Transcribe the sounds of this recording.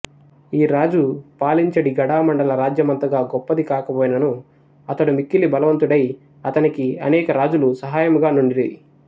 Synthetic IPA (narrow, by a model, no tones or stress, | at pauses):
iːɾaːd͡ʒupaːliɲt͡ʃɐɽiɡɐɽaːmɐɳɖɐlɐɾaːd͡ʒjɐmɐnt̪ɐɡaːɡɔpːɐd̪ikaːkɐpoːjnɐnu | ɐt̪ɐɽumikːilibɐlɐʋɐnt̪uɽɐj | ɐt̪ɐnikiɐnɛːkɐɾaːd͡ʒulusɐɦaːjɐmuɡaːnuɳɖiɽii